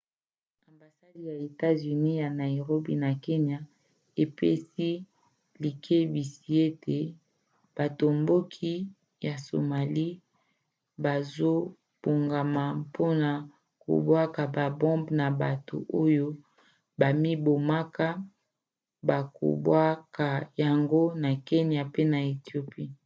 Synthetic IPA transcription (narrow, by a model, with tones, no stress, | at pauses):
a˨mba˨sa˦di˨ja˨e˨ta˦zy˨ni˦ja˨na˨ji˨ʁo˦bḭ˦na˨ke˦nja˦ | e˨pe˦si˦ | li˨kʰe˦bi˨si˨˦e˦tʰe˨ | b̥a˨to˨mbo˦kʰi˦ | ja˨so̰˨ma˨li˦ | ba˨zo˦ | b̥o˨ŋɡa˨ma˨pʰo˦na˨ | ko̰˨bwa˦ka˨ba˨bɔ̃˦mbna˨ba˨to̰˨ʔo˦jo˦ | ba˨mi˦bo˨ma˦ka˦ | ba˨ko̰˨bwa˦ka˨ja˨ŋɡo˦na˨ke˦ni˨a˨pe˦na˨e˨ti˨o˨pi˦